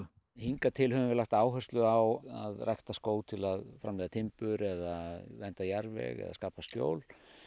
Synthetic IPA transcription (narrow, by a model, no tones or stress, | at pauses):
hiŋkat̪ʰɪlhœvʏvɪɾlaxt̪aːwɦœr̥st̪lʏawaðrajht̪askoːwt̪ʰɪlaðfɾamlɪːðat̪ʰɪmpʏɾɛðavɛnt̪ajaɾvɛ̰ɣɛ̰ðaskaːpascjo̰ːwl